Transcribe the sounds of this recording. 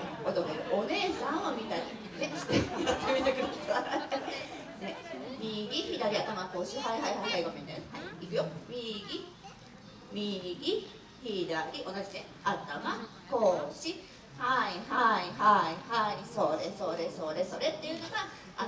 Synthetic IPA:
ot̪ok̪oɾɯʔone̞ːsãɰ̃amʲit̪aɲʲḭe̥t̪ːeat̪ːmʲit̪okʲimaa | nemʲiɡʲiçid̪aɾʲiat̪amakoːɕiɦaiɦaiɦaihaiɡomʲend̪aɾhaiikɯ̟jomʲiɡʲi | mʲiɡʲi | çid̪aɾʲiʔo̞nad͡ʑid̪ẽ | at̪ama | ko̞ːɾoɕi | haihaihaihaisoːd̪eso̞ːd̪eso̞ːd̪esoɾe̞t̪ːe̞jɯ̟noɡa | a

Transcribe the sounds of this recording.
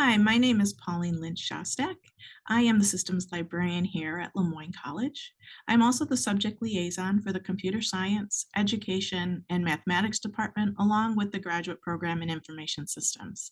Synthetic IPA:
haɪmaɪnẽɪ̃mɨz̥pʰɑlˠĩnlɪ̃nʃɑ̰stɛk | ʔaɪɨ̃mðɨsɪstə̃mzlaɪbɹɛɹiɨ̃nhiɹɨ̰ʔlə̃mɔ̃ɪ̃nkʰɑ̰lˠɪd̥d͡ʒʔãɪ̃mɔlˠsoʊðəsʌb̚d͡ʒɨk̚tˡlieɪzɑ̃nfə˞ðɨkʰm̩pʰj̥ʉɾə˞saɪɨ̃nsʔɛd͡ʒɨkʰeɪʃɨ̃nɨ̃nmæθəmæɾɨksd̥ɨpʰɑɹt̚mɨ̃ntəlɔ̃ŋwɨðɨɡɹæd͡ʒʉɨt̚pʰɹ̥oʊɡɹæ̃mɨ̃ñɪ̃ɱfə˞meɪʃɨ̃n̩sɪstʰə̰̃mz̥

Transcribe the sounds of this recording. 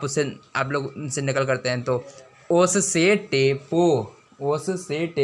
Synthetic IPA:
pʊeaːploːɡsenɪkəlkɐɾt̪eɦɛ̃t̪oː | oːsseʈeːpo | oːsseʈe

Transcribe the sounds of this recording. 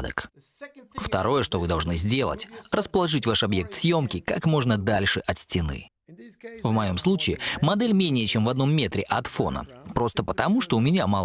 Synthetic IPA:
d̪ə̰k | ft̪ɐ̰ɾo̞jəʂt̪o̞vɨd̪ɐlˠʐnɨzʲdʲe̞lˠə̰tʲrəspəlˠɐʐɨtʲvaʂɐbje̞k̚t̪sʲjo̞mkʲɪkakmo̞ʐnəd̪alʲʂɨʔɐt̪sʲtʲɪnɨ̰ | vmɐjo̞mslˠut͡ɕɪːmɐd̪ɛlʲmʲenʲɪjət͡ɕemvɐd̪no̞mːʲe̞t̪ɾʲɪʔɐt̪fo̞̰nə̰pɾo̞st̪əpət̪ɐmuʂt̪oʊmʲɪnʲamalˠ

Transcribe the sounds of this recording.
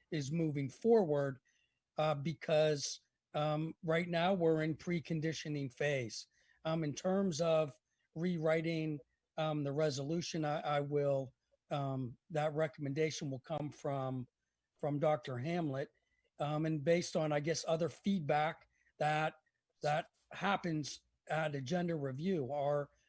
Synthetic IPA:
ɪzmuvɪ̃ŋfɔɹwə˞d̚ | bɨkʰʌz̥ | ɹaɪtⁿnaʊwɪɹɨ̃npʰɹ̥ikʰɨ̃ndɪʃɨnɪ̃ŋfeɪz̥ | ɨ̃ntʰɜ̃˞mzʌv | ɹiɹaɪɾɪ̃ŋ | ðɨɹɛzəlʉʃɨ̃naɪʔaɪwɪlˠ | ðɨt̚ɹɛkəmɨ̃ndeɪʃɨ̃nwəlˠkʰʌ̃ɱfɹʌ̃m | fɹʌ̃mdɑk̚tə˞ɦæ̃mlət̚ | ɨ̃nbeɪstn̩aɪɡɛsʌðə˞fid̚bæk̚ | ðɨt̪̚ | ðɨt̚ | hæpɨ̃nz | ɨɾɨd͡ʒɛ̃ndə˞ɹivjʉə˞

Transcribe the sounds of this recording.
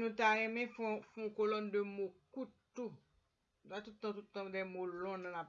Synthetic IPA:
nũt̪aʁɛ̃mɛ̃fɔ̃fũkolɔndømokut | tu | nutat̪ut̚t̪ːãtutt̪ːãdɛmolɔ̃nãlap

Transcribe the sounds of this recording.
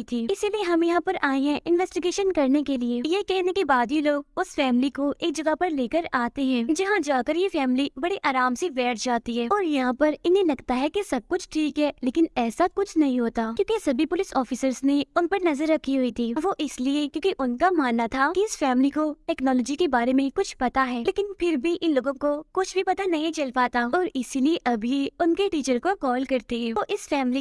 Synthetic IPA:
it̪ʰiːɪsilieɦɐmjɐɦãːpɐɾʔaːẽɦɛ̃ʔɪ̃nʋɛːsʈɪɡeːʃənkɐɾnekeliejekɛɦnekebaːd̪jiloːɡʊsfɛːmlikoʔeːk̚d͡ʒɐɡapɐɾleːkəɾaːt̪eɦɛ̃ːd͡ʒɐɦãd͡ʒaːkəɾjefɛːmlibɐɽiʔaːɾaːmseʋɛːʈʰd͡ʒaːt̪iɦɛːɔːɾjɐɦãpɐɾɪnẽlɐɡt̪aɦɛkesɐb̚kʊt͡ʃʰʈʰiːkɦɛːleːkɪnɛːsakʊt͡ʃʰnɐɦĩɦoːt̪aːjõːkesɐbʱipʊlɪsɔːfɪsəɾzneʊnpɐɾnɐzəɾːɐkʰːiɦʊit̪ʰiːʋoʔɪsliekjõːkiʔʊnkamaːnːat̪ʰakiɪsfɛːmlikoʈɛːknɔːlɔːd͡ʒikebaːɾemẽkʊt͡ʃʰpɐt̪aɦɛːleːkɪnpʰɪɾbʱiʔɪnloːɡõkokʊt͡ʃʰbʱipɐt̪anɐɦĩt͡ʃɐlpaːt̪aɔːɾɪsilieʔɐbʱieʊnkeʈiːt͡ʃəɾkokɔːlkɐɾt̪iɦɛːoʔɪsfɛːmli

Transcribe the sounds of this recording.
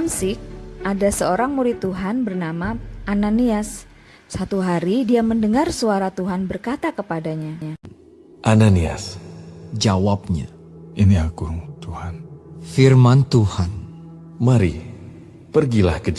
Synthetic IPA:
nsɪk̚ʔadasəoɾaŋmuɾɪt̪ːuɦanbərnamaʔananiasː | at̪uɦaɾidiaməndəŋarsuaɾat̪uɦanbərkat̪akəpadaɲaɲa | ʔanania̰s | d͡ʒawap̚ɲa̰ | ʔiniakuŋt̪uhanfirmant̪uhan | maɾḭ | pərɡila̰hkə

